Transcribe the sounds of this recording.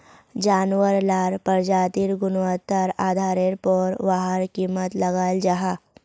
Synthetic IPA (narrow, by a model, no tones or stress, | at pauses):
d͡ʒaːnʋəɾlaɾpəɾd͡ʒat̪iɾɡʊnʋət̪ːəɾaːd̪ʱaːɾeɾpɔɾʋaɦəɾkiːmət̪ləɡaːld͡ʒaɦa